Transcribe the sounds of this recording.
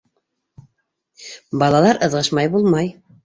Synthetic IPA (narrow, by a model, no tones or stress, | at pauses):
bɑlˠɑlˠɑɾʔɤ̆ðʁɤʃmɑjbulˠmɑj